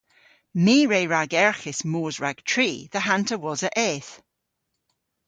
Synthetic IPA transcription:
miːɹeɹaɡɛɹxɪsmoːzɹaɡ̥tʰɹ̥iːðəɦãntʰəwɔzəʔɛθ

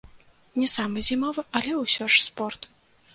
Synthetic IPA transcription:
nʲɛsamɨzʲimɔvɨʔɐlʲɛwsʲɔʂspɔrt̪

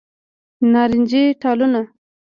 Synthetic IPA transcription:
nɑɾɪnd͡ʒeʈɑluna

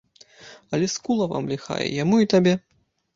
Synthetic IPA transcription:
ɐlʲɛskulˠɐva̰mlʲixa̰jɛ̰jamuit̪abʲɛ

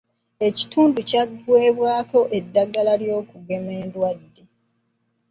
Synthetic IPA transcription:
e̞ci̥tuːnducaɡwe̞ːβwaːko̞ʔedːaɡalaljo̞ːkuɡe̞me̞ːndwadːe

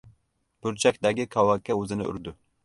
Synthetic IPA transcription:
b̥ʊɾt͡ʃʰɛkʲd̪ɛɡʲikʰɑwɑkʲːɛøzɪnɪʔy̰ɾd̪ʊ

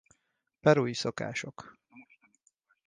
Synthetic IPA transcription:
pɛɾuːjisoka̰ːʃo̞k

